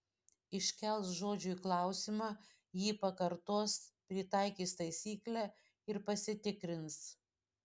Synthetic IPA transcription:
ɪʃʲkʲɛlˠsʒoːd͡ʒʲʊiklˠɑˑʊsʲɪmɑː | jiːpɐkɐɾt̪oɔspʲɾʲɪt̪ɑˑɪkʲiːst̪ɐɪsʲiːklʲæː | ɪɾpɐsʲɪt̪ʲɪkɾʲɪns

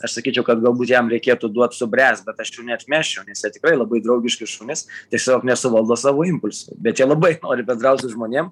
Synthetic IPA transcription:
ɐʃsɐkʲiːt͡ʃʲɛʊkɐt̪ɡɐlˠbuːt̪jɛmɾʲɛɪkʲeːt̪ud̪uɔt̪sʊbʲɾʲæːst̪̚bʲɛt̪ɐʃjuːnʲɛɐt̪ʲmʲæːʃʲɛʊnʲɛsjɛt̪ʲɪkrɐɪlˠɐbɐɪd̪ɾɐʊɡʲɪʃkʲɪsʃuːnʲɪst̪ʲɛksʲɐsoːknʲɛsʊʋɐlˠd̪oːsɑːʋoːɪmpʊlʲsʊ̰bʲɛt̪jɛlˠɐbɐɪnoːɾʲɪbʲɛnd̪ɾɐʊt̪sʲʊʒmoːnʲeɛm

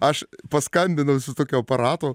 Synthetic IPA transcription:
ɐʃpɐskɐnʲbʲɪnɐʊsʲɪt̪oːkʲoːɐpɐɾɑːt̪oː

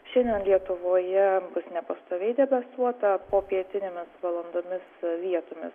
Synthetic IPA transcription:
ʃʲɛnʲd̪ʲɛnlʲiɛt̪ʊʋoːjɛbʊsnʲɛpɐst̪oːʋʲɛɪd̪ʲɛbɐsuɔt̪ɐpoːpʲiɛt̪ʲɪnʲemʲɪsʋɐlˠɐnd̪oːmʲɪsʋʲiɛt̪oːmʲɪ̰s

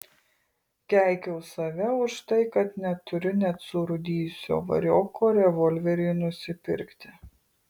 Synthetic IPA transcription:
ɡʲæˑɪkʲɛʊsɐʋʲɛʊʃt̪ɐɪkɐt̪nʲɛt̪ʊɾʲʊnʲɛt̪sʊɾʊd̪ʲiːjʊsʲo̰ːʋɐ̰ɾʲoːkoːɾʲɛʋɔlʲʋʲɛɾʲɛɪnʊsʲɪpʲɪ̰ɾʲkt̪ʲɪ

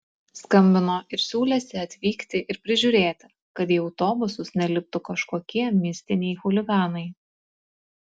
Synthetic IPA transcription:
skɐmʲbʲɪnoːʔɪɾsʲuːlʲɛsʲɪɐt̪ʲʋʲiːkt̪ʲɪʔɪɾpʲɾʲɪʒʲʊːɾʲeːt̪ʲɪ | kɐt̪jiɛɐʊt̪oːbʊsʊsnʲɛlʲɪp̚t̪ʊkɐʃkoːkʲiɛmʲɪsʲt̪ʲɪnʲɛɪxʊlʲɪɡɑːnɐɪ

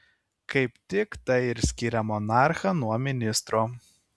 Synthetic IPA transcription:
kɐɪpt̪ʲɪkt̪ɐɪɪɾʲsʲkʲiɾʲɛmɔnɑˑɾxɐnuɔmʲɪnʲɪst̪ɾoː

